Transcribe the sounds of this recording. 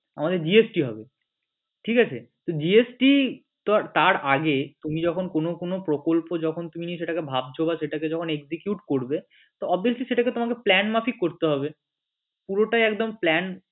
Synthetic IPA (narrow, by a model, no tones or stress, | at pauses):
a̰mad̪eɾd͡ʑiesʈiɦɔ̰be | ʈʰikat͡ɕʰḛt̪od͡ʑiesʈi | t̪at̪aɾʔaɡet̪umid͡ʑɔkʰonkonokonopɾokolpod͡ʑɔkʰont̪uminieʃ̬eʈakebʱab̚t͡ɕʰobaʃeʈaked͡ʑɔkʰoneksikjuʈkoɾbe | t̪oɔbiosliʃeʈaket̪omakeplɛnmafikːoɾt̪eɦɔbe | puɾoʈajɛkd̪omplɛn